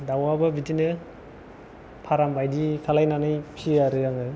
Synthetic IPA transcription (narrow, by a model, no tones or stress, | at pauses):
dawabɐbitinɯ | pʰaɾambʰʱajdikʰalajnanɯjpʰiaɾɯaŋaj